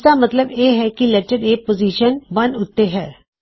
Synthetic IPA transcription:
d̪amɐt̪ləbjeːɦɛkilɛʈəɖeːpoziːʃənʋɐnʊt̪ːeɦɛː

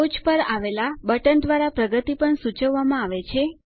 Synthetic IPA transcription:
ot͡ʃpəɾaʋelabəʈənd̪ʋaɾapɾəɡət̪ipəɳsut͡ʃəʋːamãaʋet͡ʃʰe

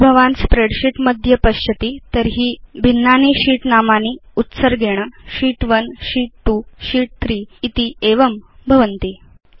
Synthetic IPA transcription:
bʱəʋãnspɾeɽɕiʈməd̪ʱjəpəɕət̪iːt̪əɾɦiːbʱinːaniːɕiːʈnamaniːut̪səɾɡʱeɽ̃əɕiːʈʋənɕiːʈ̚ʈuɕiːʈ̚t̪ʰɾiːt̪iːeʋəmbʱəʋənt̪iː

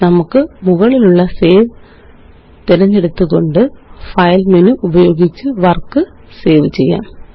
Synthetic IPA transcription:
nɐmukːɨmuɣɐɭiluɭːɐse̞ːʋ | t̪iɾɐɲːeɽut̪ːuɣo̞ɳɖɨfɐjlmenɨʔubɐjo̞ːɡit͡ɕːɨʋɐrkːɨ | se̞ːʋɨt͡ɕe̞̰jːa̰ːm

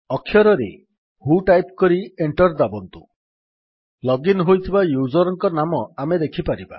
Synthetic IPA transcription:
ɔkʰːjɔɾɔɾḛ | huʈajpkɔɾieɳʈɔɾd̪abɔnt̪u | lɔɡinɦojt̪ʰibajud͡ʒɔɾɔŋkɔnamɔamed̪ekʰipaɾiba̰

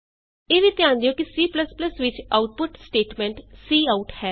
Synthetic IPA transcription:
eːʋiːt̪jãːnd̪ijõːkisiːpləspləsʋɪt͡ʃaːʊʈ̚pʊʈsʈeːʈmɛ̃ːɳʈsiːaːʊʈhɛː

